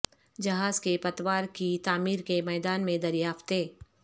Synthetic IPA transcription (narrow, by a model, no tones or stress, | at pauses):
d͡ʒɐɦaːzkepɐt̪waːɾkit̪aːmiːɾkemɛːd̪aːnmẽd̪ɐɾjaːft̪eː